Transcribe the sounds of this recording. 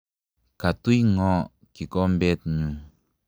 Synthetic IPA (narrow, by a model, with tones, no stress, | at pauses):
ka˨t̪u˦jŋɔ˧˨ | ki˨kɔ˦m˦be˦t̪̚ɲũ˨